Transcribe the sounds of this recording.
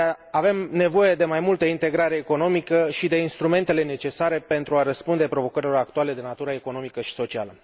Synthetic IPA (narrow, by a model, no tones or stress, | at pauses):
ave̞mne̞vo̞jed̪e̞majmult̪əint̪e̞ɡɾaɾe̞ːko̞no̞mikəʃid̪e̞inst̪ɾume̞nt̪e̞le̞ne̞t͡ʃe̞saɾe̞pe̞nt̪ɾuaɾəspund̪e̞pɾo̞vo̞kəɾilo̞ɾakt̪uale̞d̪e̞nat̪uɾəeko̞no̞mikəʃi̥so̞t͡ʃia̰lə